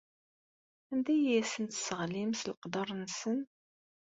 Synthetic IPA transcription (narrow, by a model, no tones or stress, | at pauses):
ænd̪æjæsənt̪səʁlimslqd̪ɑɾˤnsən